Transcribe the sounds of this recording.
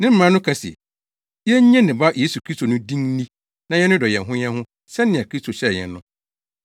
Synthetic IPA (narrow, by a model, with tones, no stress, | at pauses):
nɪ̃˦m̩˦mã˦nʊ̃˦kʰa˦si˨ɛ̰˨ | jɛ˦ɲɛ̃˦nɪ̃˨ba˦je˦su˨kʰɾi˦stʰo˨nʊ̃˦dĩ˦ŋnĩ˦ | nã˨jɛ˦nʊ̃˦dɔ˨jɛ˨ɦʊ̃˦ɲɛ̃˦hʊ̃˦ | sɛ˦nɪ̃˨a˨kʰɾi˦stʰo˨ɕɛ˦˨ɲɛ̰˨nːʊ̃˦